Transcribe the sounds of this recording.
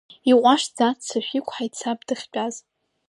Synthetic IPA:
iχʷʼaʃd͡zatt͡sʰaʃᶣikʷʰʼħajt͡sʰabdɨχʲt͡ʃʲʼaz

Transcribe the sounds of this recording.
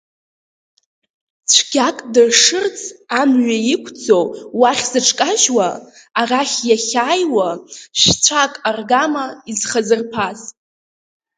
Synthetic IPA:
t͡sʷʰɡ̥ʲakʼdɨrʂɨrt͡sʰʼamɥajikʷʰd͡zowwaχʲz̥ɨʈ͡ʂʰʼkʼaʒwaː | raχʲjaχʲaːjwaʃt͡ɕʷʰakʼarɡamaizχazɨrpʰaz

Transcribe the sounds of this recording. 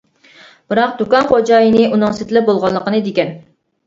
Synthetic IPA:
b̥ɨɾɑq̚d̪ukɑnχod͡ʒɑːjinɨʔunɨŋsɪt̪ʰɪlɪp̚bolˠʁɑllːˠəqənɨd̪ekʲɛn

